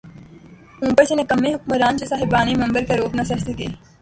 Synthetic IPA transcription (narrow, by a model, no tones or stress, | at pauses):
ũːbət͡ʃenẽkɐmːeːɦʊkməɾaːnt͡ʃesaːɦɪbaːnimɐ̃mbəɾkɐɾoːpnɐsɐsəɡḛː